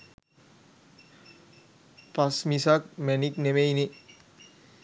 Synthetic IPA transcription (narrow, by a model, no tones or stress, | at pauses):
pasmisak̚mɛniknemejni